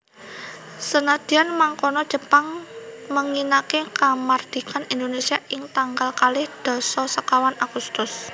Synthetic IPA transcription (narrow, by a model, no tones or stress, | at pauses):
sənad̪̥i̤anmaŋkɔnɔd̥ʒ̥ə̤paŋməŋinakekamard̪̥i̤kanind̪onesiaʔɪŋt̪aŋɡalkalɪhd̪̥ɔ̤sɔsəkawanaɡ̥ust̪ʊs